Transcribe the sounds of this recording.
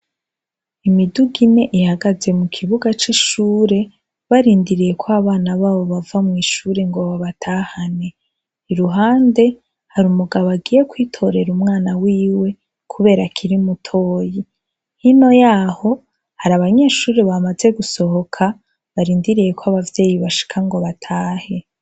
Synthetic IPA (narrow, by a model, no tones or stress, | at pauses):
imiduɡine̞ʔihaɡaze̞mukʰiβuɡat͡ʃiʃuːɾe̞ | βaɾiːndiɾije̞kwaβaːnaβaːβo̞βavamŋiːʃuɾe̞ŋɡoβaβatʰaːhane̞ː | ɾuɦaːnde̞ | haɾumuɡaβaɡije̞kwiːtʰo̞ɾe̞ɾumŋaːnawiːwe̞ | kʰuβe̞ːɾakʰiɾimutʰo̞ːji | hino̞jaːho̞ | haɾaβaɲe̞ːʃuːɾeβamaze̞ɡuso̞ho̞kʰa | βaɾiːndiɾije̞kwaβavje̞ːjiβaʃi̥kʰaŋɡo̞βatʰaːhe̞